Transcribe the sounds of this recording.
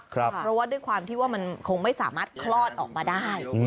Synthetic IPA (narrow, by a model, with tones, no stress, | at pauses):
kʰɾa˦pɾɔ˦˥waː˥˩du˥˩jkʰwaː˧mt̪ʰiː˥˩waː˥˩ma˧nkʰo˧ŋma˥˩jsaː˩˦maː˥˩t̪̚kʰlɔː˥˩t̪̚ʔɔ̰ː˨˩k̚maː˧daː˥˩j